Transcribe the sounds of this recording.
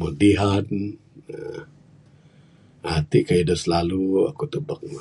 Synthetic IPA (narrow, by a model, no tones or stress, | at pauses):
mudiɦat | at̪iʔkaidɔslalua̰kut̪ubək̚